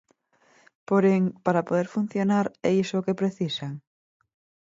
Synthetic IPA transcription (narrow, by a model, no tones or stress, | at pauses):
poɾeŋpaɾapoðeɾfun̟θjonaɾɛisokepɾeθisaŋ